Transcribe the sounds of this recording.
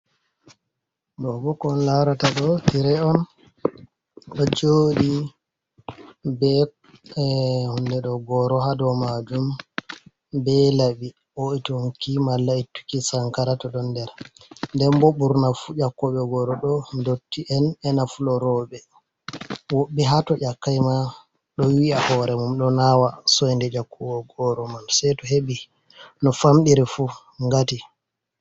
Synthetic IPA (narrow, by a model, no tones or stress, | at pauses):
dɔbɔkɔnlaɾataɗɔtiɾɛɔn | ɗɔd͡ʒoːdi | bɛ | hundɛɗɔɡɔɾɔɦadɔmad͡ʒum | bɛlaɓi | ʔɔɛtoŋkimalːaitːu̥kisaŋkaɾatɔɗɔndɛɾndɛmboɓuɾnafud͡ʒakːɔɓɛɡɔɾɔɗɔndotːiʔɛnɛnafulɔɾɔɓɛ | woɓːiɦatɔʔakːajma | ɗɔwiahɔɾɛmumɗɔnawasɔjndɛd͡ʒakʰːɔɓɛɡɔɾɔmansɛjtɔɦeɓi | nɔfamɗiɾifu | ŋɡati